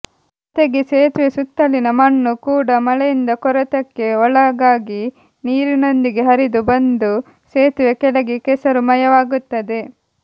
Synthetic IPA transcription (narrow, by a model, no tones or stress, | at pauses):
t̪eɡeseːt̪ʋesut̪ːɐlinɐmɐɳːukuːɽɐmɐɭejind̪ɐkɔɾɐt̪ɐkːe̞ɔɭɐɡaːɡi | niːɾino̞nd̪iɡe̞ɦɐɾid̪ubɐnd̪u | seːt̪ʋekɛlɐɡekɛsɐɾumɐjɐʋaːɡut̪ːɐd̪e̞